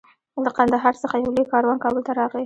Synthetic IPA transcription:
ləqand̪aɦɑɾsəxajawlojkɑɾwɑnkɑbəlt̪aɾɑɣi

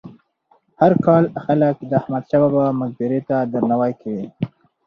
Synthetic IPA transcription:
haɾkɑlxaləkd̪əahmad̪ʃabɑbamʊzbɪɾet̪ad̪əɾnawajkʰawi

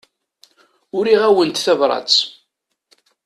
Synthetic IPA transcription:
ʊɾiʁæwənt̪θævɾˤɑ̰t͡s

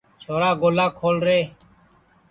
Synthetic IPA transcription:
t͡ʃʰoːɾaːɡoːlaːkʰoːlɾeː

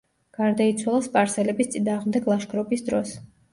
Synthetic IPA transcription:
ɡ̥aɾd̪ait̪sʰwalˠaspʼaɾsɛlɛbist̪sʼinaːʁmd̪ɛɡlˠaʃkʰʼɾɔbisd̪ɾɔs

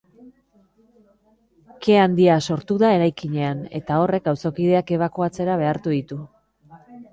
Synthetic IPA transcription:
ke̞and̪iaso̞ɾt̪uðae̞ɾajkiɲe̞ane̞t̪ao̞re̞kawsokið̞e̞ake̞β̞ako̞at͡se̞ɾaβ̞e̞aɾt̪uðit̪u

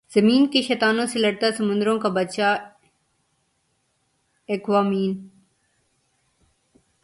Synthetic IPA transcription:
z̥əmiːnkeʃɛːt̪aːnõːselɐɽ̚t̪asɐmʊ̃nd̪ɾõːkabɐt͡ʃa | ekʋaːmiːn

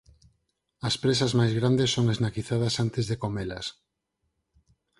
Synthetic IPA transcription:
ɐspɾesɐzmajzɣɾand̪esːoŋeznakiθaðɐsant̪ezðekomelɐ̰s

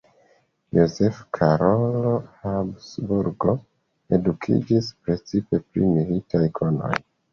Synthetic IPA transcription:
jozefkʰaɾolo̞habsbuɾɡo̞ | e̞dukʰḭd͡ʒispɾe̞t͡sipe̞pɾḭmilitʰajkʰono̞̰j

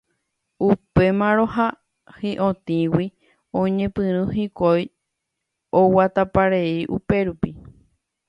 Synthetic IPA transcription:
upe̞mãɾoɦa | hiʔõt̪ĩwi | õɲẽpɨ̃ɾ̃ũɦikʷoj | owat̪apaɾeiʔupe̞ɾupi

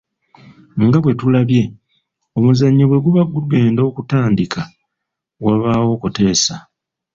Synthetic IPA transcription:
ŋɡaβwe̞tulaβje̞ | omuzaɲːoβwe̞ɡuβaɡuluɡe̞ːndo̞ːkutaːndikʰa | waβaːwo̞kute̞ːsa

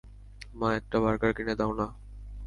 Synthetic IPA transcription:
mãɛk̚ʈabaɾkaɾkened̪aona

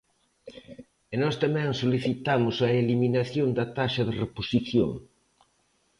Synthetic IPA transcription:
enɔst̪amɛ̃ŋsoliθit̪amʊsɐeliminɐθjond̪ɐt̪aʃɐðɪreposiθjo̰ŋ

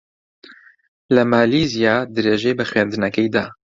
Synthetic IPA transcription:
ləmaːliːzijaːd̪ɨɾeːʒejbəxwɛːnd̪ɨnɛkɛjd̪a

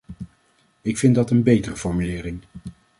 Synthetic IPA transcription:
ɪkfɪndɑtənbejtərəfɔɹmylɪːɾɪŋ

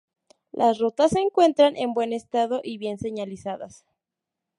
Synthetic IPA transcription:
lʔasrot̪asːe̞ːŋkwe̞nt̪ɾanʔembwe̞ne̞st̪aðo̞ʔiβje̞nse̞ɲalisaða̰s

